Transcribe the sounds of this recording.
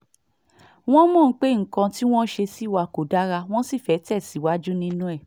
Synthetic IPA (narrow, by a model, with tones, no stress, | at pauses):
w̃ɔ̃˦mɔ̃ː˦˨˦k͡pe˦˨ŋ̩˨kã˧ti˦w̃ɔ̃˦ʃe˧si˦˨wa˧ko˨da˦ɾa˧w̃ɔ̃˦si˦˨fɛ˨˦tɛ˦˨si˨˦˨wa˦d͡ʒu˦nĩ˦nũ˦ɛ˦˨